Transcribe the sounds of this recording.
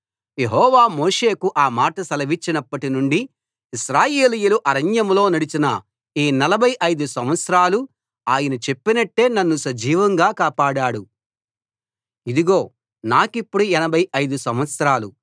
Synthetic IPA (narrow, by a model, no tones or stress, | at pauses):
je̞ɦɔːʋaːmoːʂe̞ːkuʔaːmaːʈɐsɐlɐʋit͡ʃːinɐpːɐʈinuɳɖi | iʃɾaːjeːlijuluʔɐɾɐɲjɐmlo̞ːnɐɽit͡ʃinɐ | iːnɐlɐbʱɐjʔɐjd̪usɐmʋɐt̪sɾaːlu | aːjɐnɐt͡ʃe̞pːinɐʈːe̞ːnɐnːusɐd͡ʒiːʋɐŋɡaːkaːpaːɽaːɽu | id̪iɡo̞ː | naːkipːuɽuɛnɐbʱɐjɐjd̪usɐmʋɐt̪sɐɾaːlu